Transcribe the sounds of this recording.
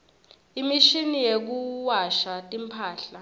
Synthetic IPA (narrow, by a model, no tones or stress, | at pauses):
imiʃinijek̬uwaʃatʼimpʰaːɬa